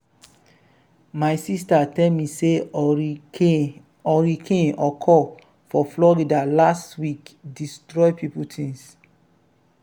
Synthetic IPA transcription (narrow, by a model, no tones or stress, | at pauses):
maɪsistatɛlmise | ɔɹikʰẽnɔkʰɔ | fɔflɔɾidalastwikdistɹɔɪpiputʰĩŋs